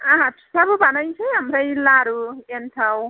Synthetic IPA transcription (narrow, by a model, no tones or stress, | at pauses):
ʌɦãt̪ʰi̥sʌbubʱʌnʌjt͡sʰʌjɦamɾʌjlaɾuentʰaw